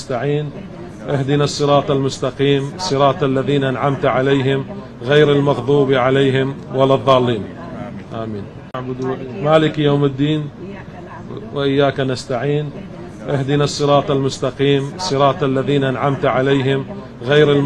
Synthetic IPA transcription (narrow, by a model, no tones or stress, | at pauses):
st̪aʕiːn | ʔahd̪ɪnɑsˤːɨɾˤɑːt̪ˤalmʊst̪aqiːmsˤːɨɾˤɑːt̪ˤalːaðiːnaʔanʕamt̪ʕalejɦɪm | ɣejɾɪlmɑɣðˤuːbiʕaleːɦɪmwalːaðˤːɑːlːiːn | ʔaːmiːn | aʕbʊd̪maːlɪkjoːmɪd̪ːiːn | waʔɪjːaːkanast̪aʕiːn | ʔahd̪ɪnɑsˤːɨɾˤɑːt̪ˤalmʊst̪aqiːmsˤːɨɾˤɑːt̪ˤalːaðiːnaʔanʕamt̪ʕalejɦɪm | ɣajɾɪl